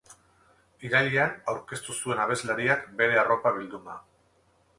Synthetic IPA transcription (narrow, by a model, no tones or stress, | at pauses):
iɾaʎianawɾke̞st̪usue̞naβ̞e̞zlaɾiakbe̞ɾe̞aro̞paβ̞ild̪und̪a